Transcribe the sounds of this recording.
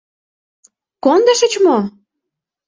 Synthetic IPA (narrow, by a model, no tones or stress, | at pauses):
kond̪ə̆ʃə̆t͡ɕmo